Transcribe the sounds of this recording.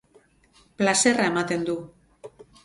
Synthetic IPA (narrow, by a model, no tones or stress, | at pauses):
plase̞raemat̪e̞nd̪u